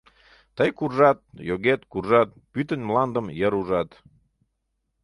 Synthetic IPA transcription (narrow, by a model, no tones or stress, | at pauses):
t̪əjkurʒɑt̪̚joɣet̪kurʒɑt̪̚pyt̪ənʲmlɑnd̪əmjəɾuʒɑt̪